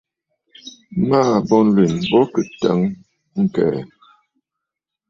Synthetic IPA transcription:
maː˦bɔ˦n̩˦lwi˨nbɔ˦kə˨ta̰˨˦ŋ | ŋ̩˨kɛ̰ː˨

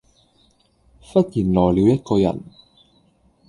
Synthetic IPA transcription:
fɐ˥t̚jiː˨˩nlɔː˨˩jliː˨˧wjɐ˥t̚kɔː˧jɐ̰˨˩n

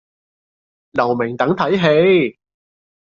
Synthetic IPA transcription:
lɐ˨˩wmɪ˨˩ŋt̪ɐ˨˥ŋt̪ʰɐ˨˥jɦe˨˧j

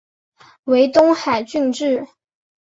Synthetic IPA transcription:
we˧˥ɪt̪ʊ˥ŋxa˨˩ɪt͡ɕy˥˧nʈ͡ʂɻ̩˥˩

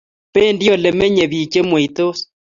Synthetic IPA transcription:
pe˦˨ndjɔ˨le˨mɛ˦ɲɛ˨βi˨t͡ʃe˦mwe˨i˨t̪o˦s

